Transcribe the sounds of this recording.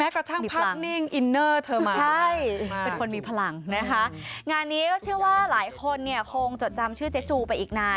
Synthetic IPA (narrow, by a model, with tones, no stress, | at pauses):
mɛː˦˥kɾa˧t̪ʰa˥˩mː˧˩pʰaː˥˧ni˥˩ŋʔi˧nːɤː˥˩t̪ʰɤː˧ma˦t͡ɕʰa˥˩jjpe˧nkʰo˧nmiː˧pʰa˧la˧ŋna˦˥kʰa˦˥ŋaː˧nːiː˦˥kɔː˥˩t͡ɕʰɯ˥˩ɐwaː˥˩laː˩˦jkʰo˧nːi˥˩ɐkʰoː˧ŋt͡ɕo˨˩t̪̚t͡ɕa˧mt͡ɕʰɯː˥˩t͡ɕe˦˥t͡ɕuː˧pa˧jʔiː˨˩k̚naː˧